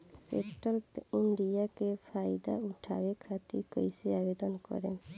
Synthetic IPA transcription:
sḛɳʈɔlpiɳɖijakepʰajd̪a̰uʈʰa̰bekʰat̪ḭɾkɔjseabed̪ɔnkɔ̰ɾḛn

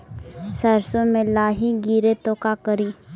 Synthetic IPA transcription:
sɛːɾsõmẽlaːɦiɡiːɾet̪oːkakəɾiː

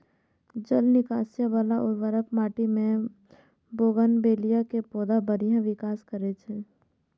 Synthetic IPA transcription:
d͡ʒəlnɪkaːsjabalaʔɔːɾʋəɾəpmaːʈimẽ | boːɡənbeːlijakepɔːd̪abəɾijãʋɪkaːskəɾet͡ʃʰe

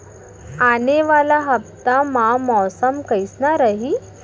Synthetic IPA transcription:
aneʋalaɦəp̚t̪amamɔsəmkəjsnaɾaɦi

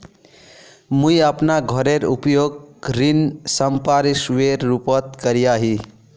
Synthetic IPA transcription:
mũiəpnaɡʱəɾeɾṵpjoɡ̚kɾinsəmpaɾisʋeɾːupət̪kəɾijaɦi

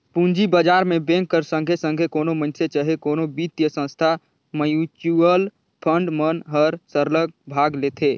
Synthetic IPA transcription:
pũnd͡ʒibəd͡ʒaːɾmẽbẽŋkːəɾsə̃ŋɡʱesə̃ŋɡʱekoːnomənset͡ʃəɦekoːnobit̪jəsə̃nst̪ʰa | məjut͡ʃuəl | pʰə̃ɳɖmənɦəɾsəɾləɡ̚bʱaɡlet̪ʰeː

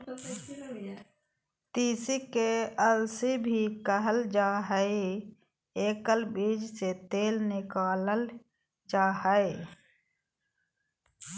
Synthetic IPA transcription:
t̪iːsikeəlsibʱikəɦəld͡ʒaːɦəɪ | eːkəlbiːd͡ʒset̪eːlnɪkaːləl | d͡ʒahəɪ

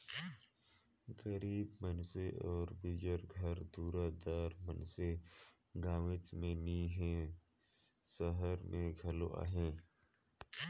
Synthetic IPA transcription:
ɡəɾiːbmənseʔɔːɾbid͡ʒəɾɡʱəɾd̪uːɾad̪aːɾmənseɡaːʋɪt͡ʃmẽniːɦẽ | səɦəɾmẽɡʱəlo̰ʔa̰ːɦẽː

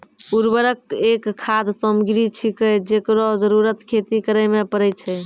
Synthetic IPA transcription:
uɾbəɾək̚ekʰːad̪səmɡɾit͡ʃʰikəd͡ʒekɾɔd͡ʒəɾuɾət̪kʰet̪ikəɾəmepəɾɛjt͡ʃʰɛ

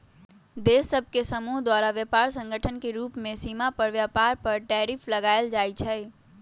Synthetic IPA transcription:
d̪esːəbʱkesəmuɦd̪waɾaʋjəpaɾsə̃ŋɡʱəʈʰənkeɾuːpmẽsimapəɾʋjapaɾpəɾʈɛɾipʰləɡaɪld͡ʒaːjt͡ʃʰɛ

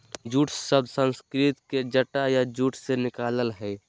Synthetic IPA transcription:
d͡ʒuːʈʰsəbsə̃nskɾɪt̪ked͡ʒəʈajad͡ʒuːʈʰsenɪkaːləlɦɛː

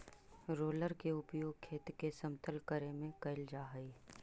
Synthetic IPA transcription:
ɾoːləɾkeʊpjoːɡ̚kʰeːt̪kesəmt̪əlkəɾemẽkɐɪld͡ʒaːɦəiː

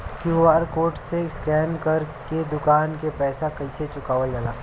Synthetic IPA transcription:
kjuaːɾkoːɾʈseskɛːnkɐɾked̪ʊkaːnkepɛːsakɐiset͡ʃʊkaːʋəld͡ʒalaː

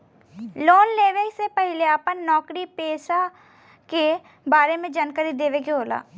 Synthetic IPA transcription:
loːnleːʋeksepəɦɪleapənnɔːkɾipeːʃa | ke | baːɾemẽd͡ʒənkəɾid̪eːʋekeɦoːla̰ː

